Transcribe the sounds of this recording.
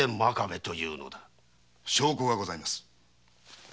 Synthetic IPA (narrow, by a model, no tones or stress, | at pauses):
ẽmmakamet̪o̞jɯ̟ːno̞̰d̪a | ɕo̞ːkoːɡaɡo̞zaimasɨ̥